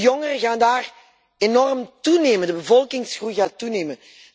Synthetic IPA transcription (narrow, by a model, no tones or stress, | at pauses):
jɔŋərəɣaːndaːr | enɔrmtuneːməndəbəvɔlˠkɪŋsxrujɣaːtuneːmən